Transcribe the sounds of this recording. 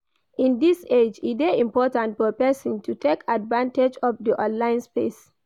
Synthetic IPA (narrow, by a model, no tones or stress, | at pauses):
ĩndised͡ʒideĩmpɔtãntfɔpɛsɔ̃ntutʰekʰadvãnted͡ʒɔfdiʔɔ̃nlãɪ̃nspes